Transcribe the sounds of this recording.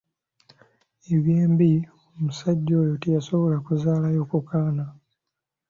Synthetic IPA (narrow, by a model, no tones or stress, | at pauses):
eβjeːmbi | omusaɟːo̞ːjotijaso̞βo̞lakuzaːlajo̞ːkukaːna